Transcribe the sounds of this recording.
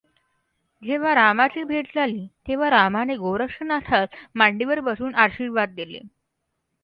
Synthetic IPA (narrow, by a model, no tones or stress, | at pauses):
d͡ʑeʋ̤aɾamat͡ɕiːbʱeʈd͡zʱaliːt̪eʋ̤aɾamaneɡowɾəkʂənasʰat̪maɳɖiʋəɾbəsuːnaɾɕiːɾʋad̪̚d̪elḛ